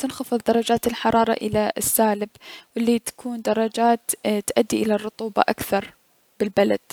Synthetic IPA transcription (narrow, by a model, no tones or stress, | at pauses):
t̪ɪnxɑfɨðˤd̪ɑɾˤɑd͡ʒaːt̪ɪlħɑɾˤɑːɾˤɑ̰ʔɪlaʔɪsːaːlɪbwɪlːit̪ḁkʰuːnd̪ɑɾˤːɑd͡ʒaːt̪t̪ʔad̪ːiʔɪlarˤːʊt̪ˤuːbɑ̰ʔakθɑɾˤ | b̥ɪlbala̰d̪̥